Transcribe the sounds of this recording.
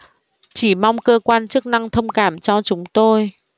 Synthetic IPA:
t͡ɕi˧˩ma˧wŋ͡mkəː˧kwaː˧nt͡ɕɨ˦˥k̚na˧ŋt̪ʰə˧wŋ͡mkaː˧˩mt͡ɕɔ˧t͡ɕʊ˨˦ŋ͡mt̪o˧j

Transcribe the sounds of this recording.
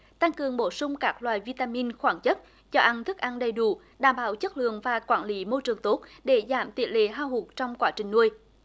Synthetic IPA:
t̪a˧ŋkɨ˨˩əŋɓo˧˩sʊ˧ŋ͡mkaː˦˥k̚lwaː˨jvi˧t̪aː˧mi˧nxwaː˧˩ŋt͡ɕə˦˥t̚ | t͡ɕɔ˧ʔa˧nt̪ʰɨ˦˥k̚ʔa˧nɗə˨˩jɗu˧˩ | ɗaː˧˩mɓaː˧˩wt͡ɕə˦˥t̚lɨ̰˧˨əŋvaː˨˩kwaː˧˩nli˨˦mo˧t͡ɕɨ˨˩əŋt̪o˦˥t̚ɗe˧˩zaː˧˩mt̪ḭ˨˧˩əlḛ˧˨˦ɦaː˧wɦu˨˩k̚t͡ɕɔ˧wŋ͡mkwaː˧˦t͡ɕï˨˩ŋnu˧əj

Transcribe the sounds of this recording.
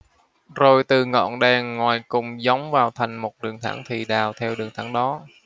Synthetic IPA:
zo˨˩jt̪ɨ˨˩ŋɔ̰˧˨nɗɛː˨˩ŋːwaː˨˩jkʊ̰˧˨˩ŋ͡mza˨˦wŋ͡mvaː˨˩wt̪ʰa˨˩jŋ̟mo˨˩t̚ɗɨ˨˩əŋt̪ʰa̰˧˩ŋt̪ʰi˨˩ɗaː˨˩wt̪ʰɛ˧wɗɨ˨˩əŋt̪ʰa˧˩ŋɗɔ˨˦

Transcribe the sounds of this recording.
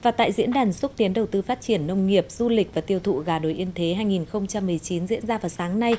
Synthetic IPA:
vaː˨˩t̪a̰ː˧˨jzḭ˧˥ənɗaː˨˩nsu˦˥k̚t̪i˨˦ənɗə˨˩wt̪ɨ˧faː˦˥t̚t͡ɕi˧˩ənːə˧wŋ͡mŋi˨˩əp̚z̥u˧lï˨˩k̚vaː˨˩t̪i˧əwt̪ʰṵ˧˨ɣaː˨˩ɗo˨˩jʔḭ˧ənt̪ʰe˨˦ɦaː˧jŋi˨˩nxə˧wŋ͡mt͡ɕa˧mːɨ˨˩əjt͡ɕi˨˦nzḭ˧˥ənzaː˧vaː˨˩wsaː˨˦ŋna˧j

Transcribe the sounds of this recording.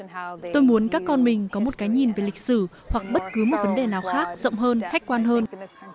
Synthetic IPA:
t̪o˧jmu˨˦ənkaː˦˥kːɔ˧nmï˨˩ŋ̟kɔ˨˦mo˨˩t̚kaː˨˦jɲi˨˩nve˨˩lï˨˩k̟̚sɨ˧˩ | hwa˨˩k̚ɓə˦˥t̚kɨ˨˦mo˨˩t̚və˨˦nɗe˨˩naː˨˩wxaː˦˥k̚zə̰˧˨wŋ͡mɦəː˧nxa˦˥j̚kwaː˧nɦəː˧n

